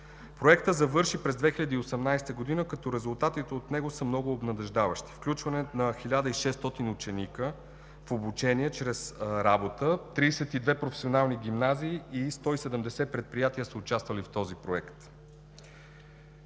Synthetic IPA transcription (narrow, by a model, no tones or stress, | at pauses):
pɾoɛk̚t̪əzɐvɤɾʃipɾɛzd̪vɛxilʲəd̪əːosɛmnajst̪əɡod̪inəkɐt̪ɔɾɛzʊlˠt̪at̪it̪ɛot̪nɛɡosəmnɔɡʊːbnɐd̪ɛʒd̪avəʃt̪i̥fklʲut͡ʃvɐnɛnɐxilʲad̪əiʃɛst̪ɔt̪inut͡ʃɛnikə | fobut͡ʃɛniɛt͡ʃɾɛsɾabot̪ət̪ɾiːsɛt̪id̪vɛpɾofɛ̥sionalˠniɡimnaziːst̪ɔisɛd̪əmd̪ɛsɛpɾɛt̪̚pɾijat̪iəsəʊt͡ʃast̪vəlift̪ɔzipɾoɛkt̪